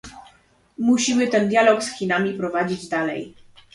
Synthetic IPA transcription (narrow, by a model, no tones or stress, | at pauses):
muɕimɘt̪ɛnd̪ʲjalɔksxʲinamʲipɾɔvad͡ʑid͡ʑd̪alɛ̰j